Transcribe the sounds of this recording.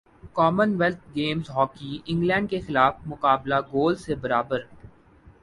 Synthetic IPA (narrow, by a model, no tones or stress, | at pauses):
kɔːmənʋɛlt̪̚ʰɡeːmzɦɔːkiɪ̃ŋɡlɛ̃ːɳɖkexɪlaːfmʊkaːblaɡoːlsebɐɾaːbəɾ